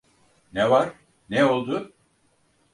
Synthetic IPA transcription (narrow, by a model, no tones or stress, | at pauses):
nevaɾ̥ | neo̞lˠd̪ʊ